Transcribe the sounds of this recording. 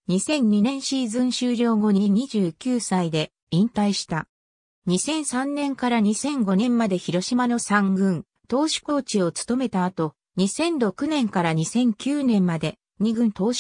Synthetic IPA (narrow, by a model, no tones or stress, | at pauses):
ɲ̟isẽ̞ɲːinẽ̞ɕiːzɨ̃ɰ̃ɕɨːɾʲo̞ːɡo̞ɲ̟iɲ̟iʑɨːkʲɨːsaid̪e̞ | ĩnt̪aiɕi̥t̪a | ɲ̟isẽ̞ɰ̃sãnːẽ̞ŋkaɾaɲ̟isẽ̞ŋɡo̞nẽ̞mːad̪e̞çiɾo̞ɕimano̞sãŋɡɯ̟̃n | t̪o̞ːɕi̥ko̞ːt͡ɕio̞t͡sɨ̥t̪o̞me̞t̪aːt̪o̞ | ɲ̟isẽ̞ndo̞kɯ̟nẽ̞ŋkaɾaɲ̟isẽ̞ŋkʲɨːnẽ̞mːad̪e̞ | ɲ̟iɡɯ̟̃nt̪o̞ːɕ